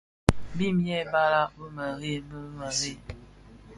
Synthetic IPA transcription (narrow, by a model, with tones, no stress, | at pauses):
bi˦mjɛ˦˨ba˦la˦bə˦mə˨ɣe˦bə˦mə˨zi˦